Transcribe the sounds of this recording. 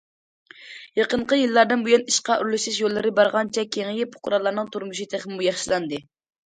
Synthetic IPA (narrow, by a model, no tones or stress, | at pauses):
jeqəɴqəjɨlˠːɑɾd̪ɨnbujuniʃqɑʔyɾlyʃɪʃjolˠːɨɾɪbɑɾʁɑnt͡ʃʰɛkʲʰeŋjipʰʊ̥qʰʊɾɑlˠɑɾnɨŋt̪ʰuɾmuʃ̬it̪ʰeχmɪmujɑχʃilˠɑnd̪ɨ